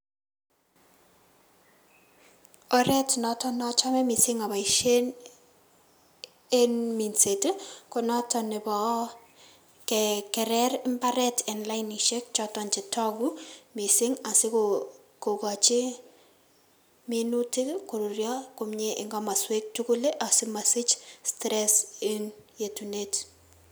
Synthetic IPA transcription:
ɔ˦ɾɛ˦tnɔtɔ˦nɔ˦t͡ʃa˦mɛ˦mi˨sɪ˦ŋa˨ba˨iʃe˦n | e˦mi˨nse˨tko˨nɔtɔ˨nɪ˨bɔ˨ | kɛkɛ˨ɾɛɾɪmba˦ɾɛtɛ˨nla˦jni˨ʃe˦k̚t͡ʃɔtɔnt͡ʃɪ˨tɔɡu˦mi˨sɪŋa˨sɪ˦ko | ko˨ka˨t͡ʃɪ˦ | minu˦tɪko˨ɾu˨ɾja˦kʊmɲe˦ʔɪ˨ŋɡɔma˨swe˦k̚tu˦ku˦le˦ʔa˨sɪ˦ma˨sɪ˦t͡ʃstɾɛsɪ˦njetunet

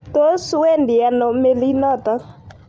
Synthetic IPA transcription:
t̪o˦su˦we˦ndi˨a˨nɔ˨me˦li˦nɔ˦˨t̪a˦

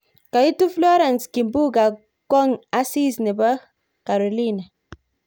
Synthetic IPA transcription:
ka˨ji˦tu˦flo˦ɾa˨nski˨mbu˦ɡa˨ | ko˦ŋa˦si˦sni˨ba˦ | ka˨ɾo˨lina˨

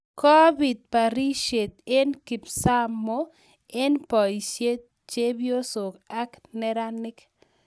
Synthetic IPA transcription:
kɔ˦bi˨t̪̚pa˨ɾi˦ʃe˨t̪̚e˦nki˨psa˦mo˦ | e˦npɔ˨i˨ʃe˦t̪̚ | t͡ʃe˦bjo˦so˨ka˦knɛ˦ɾa˦nɪ˦k

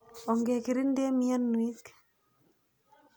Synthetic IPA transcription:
ɔ˨ŋɡe˨ki˨ɾi˦nde˦mi˦a˦nːu˨i˦k

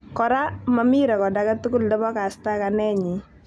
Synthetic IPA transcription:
kɔ˨ɾa˦mami˦ɾɛ˨kɔ˨daka˦tu˦kʊ˦ldɔ˦bɔ˦ka˨sta˦kanɛ˦ɲi˨

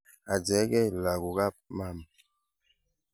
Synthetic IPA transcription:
a˨d͡ʒɛ˨˦ɡɛ˦˨la˨ɡu˨ɣa˦p̚ma˦˨m

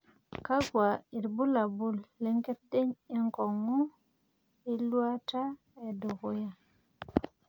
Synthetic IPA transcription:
ka˦ɡwa˨i˨ɾbu˦la˨bu˦˨lːe˦ŋke˦t̚de˦ɲi˦ŋkɔ˨ŋu˦ | i˦lwa˦ta˦ | e˨du˨ɣu˦ja˦˨

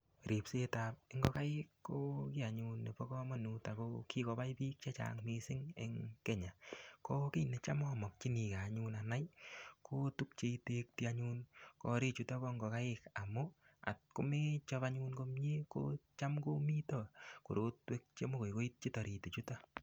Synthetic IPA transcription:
ɾi˨pse˦ta˨p̚ɪ˦ŋɡɔ˦ka˦ɪkːo˦ki˦a˨ɲunːe˨po˦kɔ˦mɔ˦nuta˨koki˦kɔ˧pa˦jpiː˦k̚t͡ʃa˦t͡ʃa̰ŋmi˦sɪ˦ŋeŋke˦ɲa˨koki˦ne˦t͡ʃa˦mɔmɔ˨k̚t͡ʃi˦ni˨ka˨ɲunana˦jkʰo˦tu˦k̚t͡ʃe˦ite˦k̚ti˦a˦ɲuːnkɔ˦ɾi˦t͡ʃu˦ta˦ko˦ŋɡɔ˨ka˦ɪ˦ka˨mʊ˦a̰˨t̚ko˦me˦t͡ʃɔ˧pa˧ɲu˦nko˦mɲe˦ko̰˦t͡ʃa˦mko˦mi˦to˦ko˨ɾo˦twe˦k̚t͡ʃe˦mo˦ko˨jko˦i˦t̚t͡ʃi˦tɔ˨ɾi˨te˨t͡ʃu˦ta˦

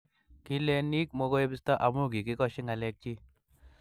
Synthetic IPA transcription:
ki˦le˦ni˦k̚mo˧ɡo˦jbi˦st̪a˦ʔa˨mu˦ɡi˨ki˦kɔ˦ʃi˦ŋa˨lɛ˧k̚t͡ʃi˦

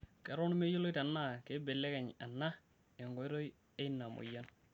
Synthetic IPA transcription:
kɛ˨ɾɔ˦n˦me˦jo˦lo˦ɪ˦ta˨na˦˨ke˦be˨lɛ˦kɛ˨ɲa̰˨nːa˦ | e˨ŋɡɔ˨˦i˦ɾo˦j | e˦i˦nːa˨mʊ̰˨ja˦n

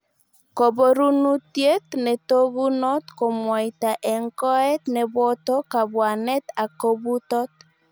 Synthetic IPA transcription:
ko˨bo˦ɾu˦nu˦tje˦t̪nɛ˨to˦bu˦nɔ˦t̪kɔ˨mwa˨ɪ˨ta˨ʔɛ˨ŋkɔ˦ɛ˦t̪nɛ˨bɔ˦tɔ˦ka˨bwa˨nɛ˦t̪a˨ko˦bu˦tɔ˦t̪̚

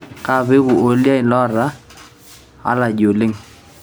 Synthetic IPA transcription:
ka˦˨bɪ˦ɡʊ˨o˦lja˦ɪ˨lɔ˦ɾa˦ | a̰˦la˨d͡ʒo˨lɪ˦ŋ

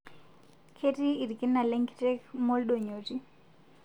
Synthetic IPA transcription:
kʰe˦tiː˦˨ɾi˨ki˦nːa˨lɛŋktɛkmɔ˦lɗo˨ɲo˨ti

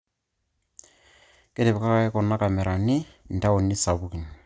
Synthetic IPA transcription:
ke˦te˨pka˦ka˨ɛ˦kɔ˨na˦ka˨mɛ˨ɾʔa˨ni˦ | n̩˨ta˦o˨ni˦sa˨βu˦ki˨n˨

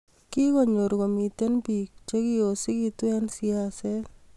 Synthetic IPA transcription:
kɪ˦kɔ˦ɲo˨ɾɡo˨mi˨t̪e˦nbi˨k̚t͡ʃe˦kɪ˦o˨sɪ˦kɪ˦twɛ˦nsi˦asɛ˦l

